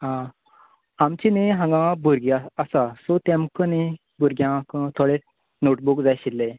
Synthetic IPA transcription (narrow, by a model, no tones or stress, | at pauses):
ɦã | amt͡ɕineɦãŋɡãbuɾɡaəsasot̪ẽmkəne | buɾɡjãkət̪ʰoɽe | noʈ̚bukd͡zajɕilːe